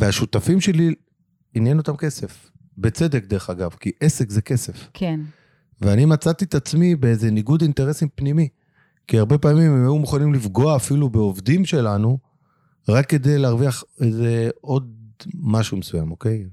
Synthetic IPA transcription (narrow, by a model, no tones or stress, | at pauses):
veaʃut̪afimʃe̞li | injenot̪amke̞se̞f | be̞t͡se̞d̪e̞k̚d̪e̞ʁeχaɡavkiʔesekzeke̞se̞fkʰn | veanimat͡sat̪it̪at͡smibeeze̞niɡud̪int̪eʁe̞simpnimi | kiaʁbe̞paːmimemajumuχanimlifɡo̞aːfilube̞ovd̪imʃe̞lanu | ʁakːe̞d̪e̞jleːʁviaχeze̞o̞d̪maʃumesuja̰moke̞j